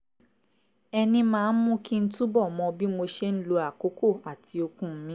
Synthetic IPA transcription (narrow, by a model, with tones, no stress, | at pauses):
ɛ˧nĩ˧mãː˦˧n̩˦mũ˦ki˦n̩˦tũ˦bɔ˦˨mɔ̃˧bi˦mo˧ʃe˦n̩˦lo˧a˨ko˨˦ko˦˨a˨tʰi˧o˧kũ˧˦m̩˦mĩ˦